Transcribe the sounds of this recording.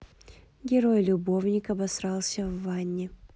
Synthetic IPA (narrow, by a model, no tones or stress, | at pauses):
ɡʲɪɾo̞jlʲʊbo̞vnʲɪkɐbɐsɾɑlˠsʲəvːanʲːɪ